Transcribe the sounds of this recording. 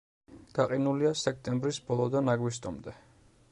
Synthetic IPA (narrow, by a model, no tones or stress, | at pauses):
ɡ̪̥aqʼinuliasɛk̚ʰt̪ʼɛmbɾisbɔlˠɔd̪anaɡwist̪ʼɔmd̪ɛ